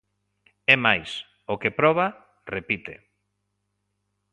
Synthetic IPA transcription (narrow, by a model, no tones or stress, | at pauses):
ɛmajs | okepɾɔβa | repit̪ḛ